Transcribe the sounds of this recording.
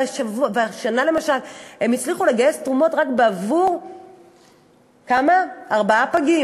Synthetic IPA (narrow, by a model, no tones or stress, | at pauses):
aʃavuaveaʃanale̞maʃale̞mit͡sliχule̞ɡaje̞stʁumo̞tʁakbeavuʁ | kamaːʁbaapaɡi